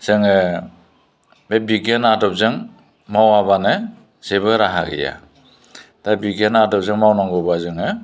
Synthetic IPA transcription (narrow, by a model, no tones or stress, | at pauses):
z̥ɯŋɯ | bebiɡenadɔp̚zɯŋ | mawabanɯ | z̥ebɯɾaɦa̰ɡḭja̰ | d̥abiɡenadɔp̚zɯŋmawnaŋɡɔbazɯŋɯ